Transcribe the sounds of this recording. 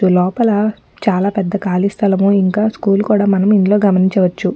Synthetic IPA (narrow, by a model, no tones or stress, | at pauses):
ulɔːpɐlɐ | t͡ʃaːlaːpɛd̪ːɐkaːlist̪ʰɐlɐmuiŋkaːskuːlukuːɽaːmɐnɐmind̪lo̞ːɡɐmɐniɲt͡ʃɐʋɐt͡ʃːu